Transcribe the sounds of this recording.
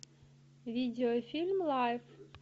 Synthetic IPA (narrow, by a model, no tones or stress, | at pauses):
vʲidʲɪɔfʲilʲmlˠajf